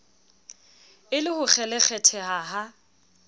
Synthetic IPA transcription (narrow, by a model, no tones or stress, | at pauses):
ɪlɪhʊk͡xʰɛlɛk͡xʰɛtʰɛhaɦa